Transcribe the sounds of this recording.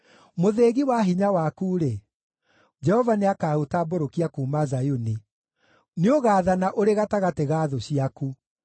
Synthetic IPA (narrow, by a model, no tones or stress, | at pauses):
moðeːɣiwaɦiɲawakuːɾe | d͡ʒɛhɔvaneakaotaːboɾokiakuːmazajoni | neoɣaːðanaʔoɾeɣataɣateɣaːðoɕiaku